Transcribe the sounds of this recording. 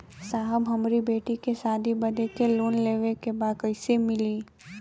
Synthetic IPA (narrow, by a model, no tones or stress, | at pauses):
saːɦəbɦɐmɾibeːʈikesaːd̪ʱibɐd̪ekeloːnleːʋekebaːd̪̚kɐɪsemɪliː